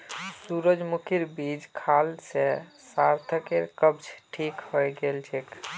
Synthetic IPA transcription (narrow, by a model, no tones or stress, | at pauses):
suɾəd͡ʒmukʰiɾbid͡ʒkʰalse | saɾt̪ʰəkeɾkəb̚d͡ʒʈʰikhɔjɡelt͡ʃʰek